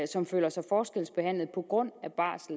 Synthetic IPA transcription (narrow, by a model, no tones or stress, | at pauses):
sɒ̽mføːlɐsɑ̈ɪfɒːsɡ̥elsb̥e̝ɦæn̰lð̩ˠpʰɒ̽ɡ̥ʁɔ̽n̰æb̥ɑ̰̈ːsl